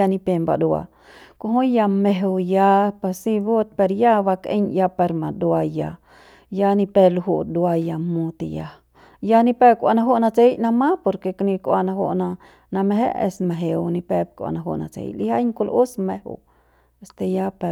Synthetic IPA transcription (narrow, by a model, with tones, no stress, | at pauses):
a˧ni˧pe˧mba̰˨d̪u˧a̰˧ | ko˧ɦõ˦ja˧me˧ɦu˧ja˧pa˧si˧bo˦t̪̚pe˧ɾja˦ba˧kḛ˦ɲja˧pe˧ɾma˨d̪wa˧ja̰˧ | ja˧ni˧pe˧lɦu˦d̪u˧a˧ja˧mu˧t̪i˨ja˧ | ja˦ni˧pe˦b̚kʷa˧na˧ɦo˦na˧t͡se˦jna˧ma˦po˧ɾke˧kni˧kʷa˧na˧ɦo̰˧na˧ | na˧meɦḛ˦ḛ˧sme˨ɦe˧wni˧pe˧b̚kʷa̰˨na˧ɦo̰˧na̰˨t͡sḛ˧jliha˦jŋko˧lʔu˦sme˧hṵ˨ | est̪e˧ja˦pe